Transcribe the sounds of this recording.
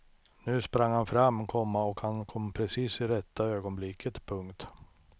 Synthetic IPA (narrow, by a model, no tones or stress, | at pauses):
nʉ̟ːspɾaŋhanfɾamːkʰɔmːaɔkhankʰɔmːpʰɾɛsiːsɪɾɛt̪ʰːaøːɡɔnblɪkʰːət̪pʰɵŋkt̪